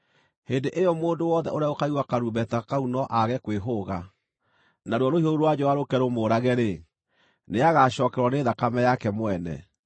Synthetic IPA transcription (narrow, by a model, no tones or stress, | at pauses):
hendeʔejɔmoːndowɔðɛ̰ʔoɾjaokaiwakaɾubɛtakaunɔʔaɣɛkweɦoɣa | naɾwɔɾohioɾuɾwad͡ʒɔwaɾokɛɾomoːɾaɣɛɾe | neaɣaɕɔːkɛɾwaneːðakamɛjakɛmwɛnɛ̰